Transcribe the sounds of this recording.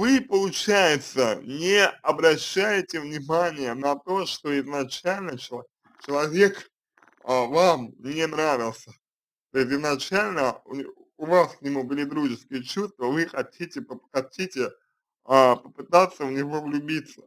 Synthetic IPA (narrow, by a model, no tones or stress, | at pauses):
vɨpəlˠʊt͡ɕæjɪt̪sə̰nʲɪɐbɾɐɕːæjɪtʲɪvnʲɪmanʲɪjənɐt̪o̞ʂt̪o̞ɪznɐt͡ɕælʲnət͡ɕɪlˠ | t͡ɕɪlˠɐvʲe̞k | əvamnʲɪnɾavʲɪlˠsʲə | t̪oɪs̬ʲt̬ʲɪznɐt͡ɕalʲnəʊ̰ | ʊvasknʲɪmubɨlʲɪd̪ɾuʐɨskʲɪjət͡ɕust̪vəvɨxɐtʲitʲɪpəxɐtʲitʲɪ | əpəpɨt̪at̪sːəvnʲɪvo̞vlʲʊbʲit̪sə̥